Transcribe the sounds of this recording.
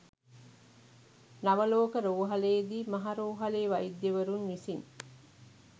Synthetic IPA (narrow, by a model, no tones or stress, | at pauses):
nɐʋɐloːkəɾoːɦɐleːd̪iːmɐɦaɾoːɦɐleːʋɐid̪ːeʋɐɾunːisiŋ